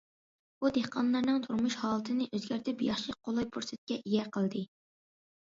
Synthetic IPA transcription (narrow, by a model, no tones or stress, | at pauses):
bud̪ehqɑnlːˠɑɾnɨŋt̪ʰuɾmuʃhɑːlˠɨt̪ʰɨnɨʔøzɡʲæɾt̪ʰɪpjɑχʃiqʰolˠɑjpʰuɾsɪt̪̚kʲɛʔijɛqʰəlˠd̪ɨ